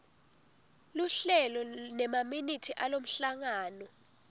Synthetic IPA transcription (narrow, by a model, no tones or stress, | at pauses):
luɬɛlɔnɛmaminitʰiʔalom̩ɬaŋaːnɔ